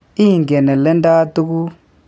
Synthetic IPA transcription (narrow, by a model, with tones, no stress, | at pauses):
i˦˨ŋɡɛ˨nɛ˨lɛ˦nda˦tu˦k̬u˦